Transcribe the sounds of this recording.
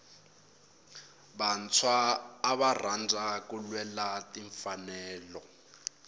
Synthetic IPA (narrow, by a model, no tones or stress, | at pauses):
ban̩t͡sʰwaːβar̤and͡zʱakulwɛlatiɱfanɛːlɔ